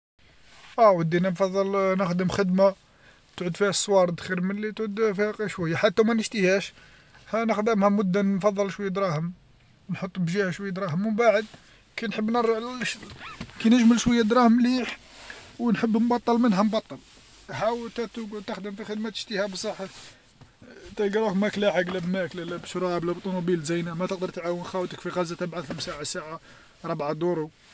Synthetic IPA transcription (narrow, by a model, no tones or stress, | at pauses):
ʔæwəd̪ːinæmfɑðˤːəlnəxd̪əmxəd̪ma | t̪ʕʊd̪fihæsˤːwɑɾˤd̪xiɾmənlit̪ʕʊd̪fihæqʃwæjːaħat̪ːæmænəʃt̪ihæʃ | hænəxd̪əmhæmʊd̪ːafɑðˤːəlʃwəjːad̪ɾˤɑhəm | nħot̪ˤːbʒihæʃwæjːad̪ɾˤɑhəmːəmbaʕəd̪ | kæjnħəbːnəɾʕlʃkinəʒməlʃwəjːæd̪ɾˤɑhmliħ | wnħəbːmbɑt̪ˤːəlmənɦæmbɑt̪ˤːəl | hawət̪æt̪ɡt̪əxd̪əmfixəd̪mæt̪ə̥ʃt̪əhæbsˤəħːə | t̪ælɡɑɾˤækmæklæħaɡlæbmæklælæbʃɾˤblæbt̪ˤːunubilzæjnæmæt̪əq̚d̪əɾt̪ʕawənxæwt̪əkfiɣɑzːæt̪æbʕaxəmsaʕasaʕa | ɾˤɑbʕad̪uɾˤu